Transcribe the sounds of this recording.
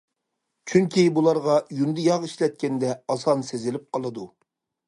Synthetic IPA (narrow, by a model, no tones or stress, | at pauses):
t͡ʃʰyŋkʲibulˠɑɾʁɑjund̪ɪjɑʁiʃlɛt̪̚kʲɛnd̪ɛɑsɑnsezɪlɪp̚qʰɑlˠɨd̪u